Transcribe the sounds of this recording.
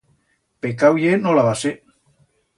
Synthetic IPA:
pekawjenolaβase

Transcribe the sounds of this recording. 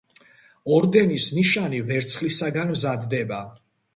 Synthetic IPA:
ɔɾd̪ɛnisniʃanivɛɾt̪sʰχlisaɡanmzad̪ːɛba

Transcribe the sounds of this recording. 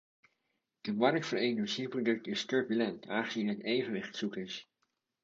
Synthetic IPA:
dəmɑɾkfəɹenəɹsiprodɵk̚tɪstɵɹbylɛntaːχəzinɦɛtejvənʋɪχtsukəɹs

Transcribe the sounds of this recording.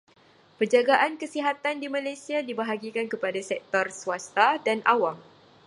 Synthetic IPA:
pərd͡ʒaɡaʔankəsiɦat̪andimãlajsiadibaɦaɡikankəpadasɛk̚t̪ɔrsuast̪adanʔawaŋ

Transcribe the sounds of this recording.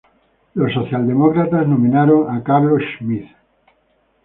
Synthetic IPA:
losːoθjald̪e̞mokɾat̪aznomĩnaɾoŋakaβloʃmiθ

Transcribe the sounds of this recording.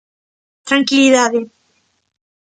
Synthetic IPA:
t̪ɾaŋkiliðaðe

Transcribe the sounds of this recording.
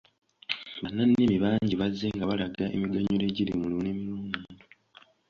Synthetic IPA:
banːanːimiβaːɲɟiβazːeŋɡaβalaɡaḛmiɡaɲule̞ɟilimulunemiɾuːnduːndu

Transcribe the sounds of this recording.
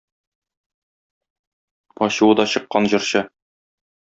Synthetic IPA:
pɒɕuwɤd̪ɒɕɤ̆qːɑnʑɤ̆ɾɕɤ

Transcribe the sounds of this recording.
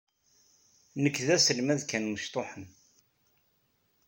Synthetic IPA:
nəkːðæsəlmæðkænməʃt̪ˤoħən

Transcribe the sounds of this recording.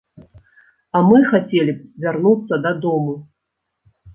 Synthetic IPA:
ɐmɨxat͡sʲelʲivʲarnut̪sːɐd̪ad̪ɔmu

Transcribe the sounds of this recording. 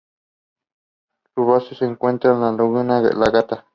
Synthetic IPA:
luβasuseŋkwent̪ɾanlaluɣɨnãɣḛʔlaɣat̪a

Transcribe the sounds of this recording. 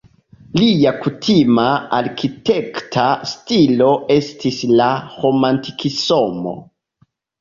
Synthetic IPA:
liakutʰimaaɾkite̞ktʰastilo̞e̞stislaɾo̞mantikʰisomo̞̰

